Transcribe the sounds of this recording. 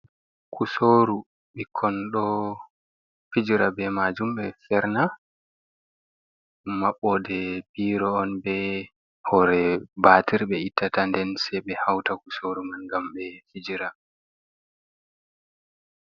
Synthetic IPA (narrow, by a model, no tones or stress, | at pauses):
kusoɾu | ɓikʰːɔnɗɔ | fid͡ʒiɾabɛmad͡ʒumɓɛfɛɾna | maɓːɔdɛbiːɾɔːnbɛ | hɔɾɛbatiɾɓɛitːatandɛnsɛɓɛhawtakusoɾumanɡamɓɛfid͡ʒiɾa